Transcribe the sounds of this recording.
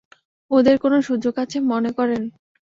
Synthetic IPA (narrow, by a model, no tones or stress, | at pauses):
od̪eɾkonoʃud͡ʑoɡat͡ɕʰemonekɔɾen